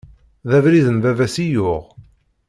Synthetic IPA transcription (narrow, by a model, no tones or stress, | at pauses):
ðævɾiðənvævæsijʊʁ